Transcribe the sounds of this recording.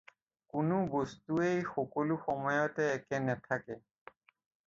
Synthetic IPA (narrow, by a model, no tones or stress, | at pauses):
kʊnʊbostuejxɔkɔluxɔmɔjɔtɛːkɛnɛtʰakɛ